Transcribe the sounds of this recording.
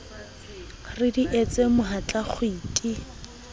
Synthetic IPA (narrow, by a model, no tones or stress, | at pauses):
rɪdiʔet͡sʼemʊɦat͡ɬʼaχʊiːtʼi